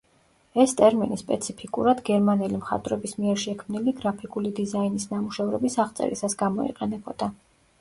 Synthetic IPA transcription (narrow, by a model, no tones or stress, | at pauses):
ɛst̪ʼɛɾminispʼɛt̪sʰipʰikʼṵɾad̪ɡɛɾmanɛlimχa̰t̪ʼɾɛbismiɛɾʃɛkʰmniliɡɾapʰikʼulid̪izainisnamuʃɛvɾɛbisaʁt̪sʼɛ̰ɾḭsasɡamɔḭqʼɛnɛbɔd̪̥a